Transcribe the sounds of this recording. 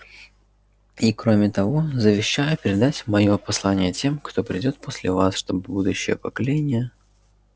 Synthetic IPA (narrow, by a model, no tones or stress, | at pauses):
ikɾo̞mʲɪt̪ɐvo̞zəvʲɪɕːajʊpʲɪɾʲɪd̪atʲmɐjo̞pɐslˠanʲɪjətʲe̞mkt̪o̞pɾʲɪdʲo̞t̪̚pʰosʲlʲɪvasʂt̪obbud̪ʊɕːɪ̰jə̰pəkɐlʲenʲɪjə